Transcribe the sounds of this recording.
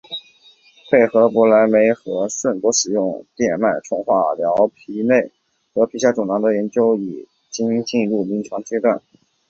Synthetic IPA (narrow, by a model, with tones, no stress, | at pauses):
pʰe˥˩ɪxɤ˧˥pu˧˥la˧˥nme˧˥ɪxɤ˧˥ʂwə˥˩npwɔ˧˥ʂɻ̩˨˩jʊ˥˧ŋt̪jɛ˥˧nma˥˩nʈ͡ʂʰʊ˥ŋxwa̰˥˩˨ljɑ˧˥ʊpʰi˧˥ne˥˩ɪ | xɤ˧˥pʰi˧˥ɕja˥ʈ͡ʂʊ˨˩ŋnɑ˧˥ŋd̪ə˧jɛ˧˥nt͡ɕjo˥ʊi˨˩ | t͡ɕi˥nt͡ɕi˥˧nɻu˥˩mi˧˥ŋʈ͡ʂʰwɑ˧˥ŋt͡ɕjɛ˥t̪wa˥˩n